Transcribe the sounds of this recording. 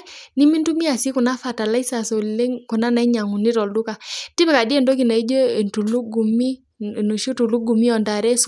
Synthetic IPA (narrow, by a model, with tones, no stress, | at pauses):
ni˦mi˦ntu˦mi˦a˨si˦ku˨na˦fa˨ta˨la˦i˦sa˨so˨lle˦ŋku˨na˦na˨i˦ɲa˨ŋu˨ni˦ɾɔ˨ldu˦ka˨ti˦pɛ˨ka˨di˦ɛ˦˨ndo˦ki˨na˨i˦d͡ʒo˦e˨ntu˨lu˦ɡu˨mi˦˨ | no˨ʃu˦tu˨lu˦ɡu˨mi˦ɔ˨nda˨ɾɛ˦s